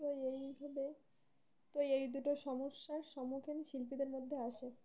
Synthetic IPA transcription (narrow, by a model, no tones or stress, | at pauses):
ojejbʱabe | t̪ojejd̪uʈoʃɔmoʃːaɾʃɔmukʰenʃilpid̪eɾmod̪ʱːeaʃe